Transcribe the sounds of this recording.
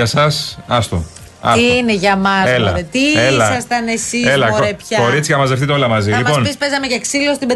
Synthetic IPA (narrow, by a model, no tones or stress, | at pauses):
ɐsɐsɐst̪o̰ | ɐ̰iineʝɐmɐzelɐ̰et̪ielɐsɐst̪ɐnesielɐoɾepçɐko̞ɾit͡siçɐmɐzðefθit̪o̞lɐmɐzilimɐpo̞nispezɐmecɐksilost̪ibe